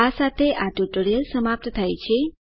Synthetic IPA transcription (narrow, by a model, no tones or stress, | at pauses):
asat̪ʰeʔaʈuʈoɾijəlsəmap̚t̪t̪ʰajt͡ʃʰe